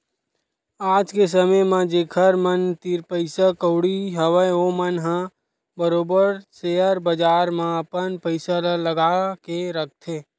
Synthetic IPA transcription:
aːd͡ʒkes̬əməmãd͡ʒeːkʰəɾmənt̪iɾpəɪsakəʊɽiɦəʋəjomənɦã | bəɾoːbəɾseːəɾbəd͡ʒaːɾmãəpənpəɪsalaləɡakeɾək̚ʰt̪ʰeː

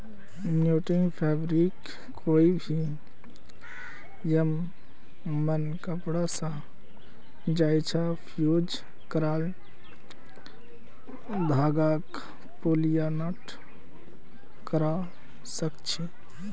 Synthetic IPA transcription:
njuʈiŋpʰɛbɾikʰː | oibʱi | jəmː | ənkəpɽasã | d͡ʒajt͡ʃʰa | pʰjud͡ʒ | kəɾal | d̪ʱaɡak | polijanaʈ | kəɾa | səkt͡ʃʰi

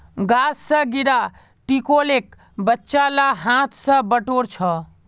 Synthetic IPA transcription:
ɡaːsːə̃ɡiɾa | ʈikolek | bətːʃalaɦãt̪ʰsə̃bəʈoɾt͡ʃʰə

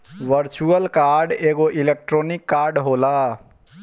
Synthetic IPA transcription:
ʋəɾt͡ʃuəlkaɾɖeɡoʔilek̚ʈɾonikːaɾɖɦola

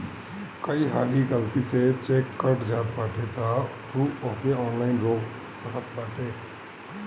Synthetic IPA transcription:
kəiɦaːliɡəlt̪iset͡ʃeːkːəɾʈd͡ʒaːt̪baːʈet̪at̪ʰuːoːkeɔːnlaːɪnɾoːɡ | səɦət̪̚baːʈeː

